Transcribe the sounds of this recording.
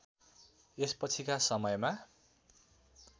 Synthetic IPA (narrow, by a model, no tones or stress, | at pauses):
espʌt͡sʰikasʌmʌjma